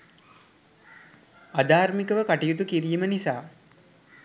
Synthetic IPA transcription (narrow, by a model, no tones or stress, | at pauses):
ad̪aːɾmikəʋəkaʈijut̪̬ukiɾijmənisaː